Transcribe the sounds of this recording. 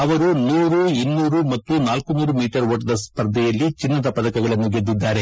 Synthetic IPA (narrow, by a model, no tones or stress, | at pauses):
ɐʋɐɾunuːɾuinːuːɾumɐt̪ːunaːlkunuːɾumiːʈɐɾʋoːʈd̪ɐspɐɾd̪ʱɛjɐlːit͡ʃinːɐd̪ɐpɐd̪ɐkɐɡɐɭɐnːuɡed̪ːid̪ːaːɾe̞